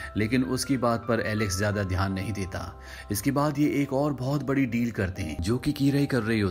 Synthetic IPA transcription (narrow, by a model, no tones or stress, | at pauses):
leːkɪnʊskibaːt̪̚pɐɾɛːlɪkszjaːd̪ad̪ʱjaːnːɐɦĩd̪eːt̪a̰ː | ɪskebaːd̪jeʔeːkɔːɾbɔːt̪bɐɽiɖiːlkɐɾt̪eɦɛ̰̃ːd͡ʒoːkikiːɾaikɐɾːɐɦiɦoː